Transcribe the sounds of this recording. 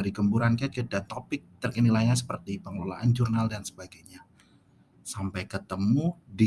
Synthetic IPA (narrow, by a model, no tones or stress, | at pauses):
aɾiɡəmbuɾankiat̪̚kədat̪opɪk̚t̪ərkənilajɲasə̥pərt̪ipəŋəlola̰ʔand͡ʒurnaldansə̥baɡajɲa | sampɛjkət̪əmudi